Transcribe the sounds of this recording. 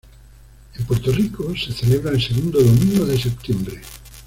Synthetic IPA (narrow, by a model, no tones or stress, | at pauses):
empoɾt̪orikoseθeleβɾaenseɣund̪oðomĩŋɡoðesep̚t̪jembɾe